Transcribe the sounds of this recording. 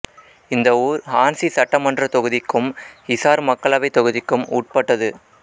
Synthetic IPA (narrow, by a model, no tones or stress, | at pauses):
ɪnd̪ɐuːɾaːnsisɐʈːɐmɐndrɐt̪ɔɣɯðɪkːɯmhɪsaːɾmɐkːɐɭɐʋɐɪt̪ɔɣɯðɪkːɯmṵːʈ̚pɐʈːɐðɯ